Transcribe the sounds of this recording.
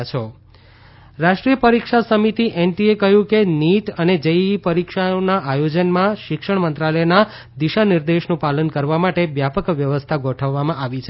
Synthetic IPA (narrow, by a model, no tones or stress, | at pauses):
t͡ʃʰo | ɾaʃʈɾijəpəɾikʃasəmit̪iʔɛnʈiekəɦjũkeniʈəned͡ʒəjipəɾikʃaonaʔajod͡ʒənmãʃɪkʃəɳmənt̪ɾaləjna | d̪iʃaniɾd̪eʃnũpalənkəɾʋamaʈeʋjapəkʋjəʋəst̪ʰaɡʱoʈʰəʋːamãʔaʋit͡ʃʰ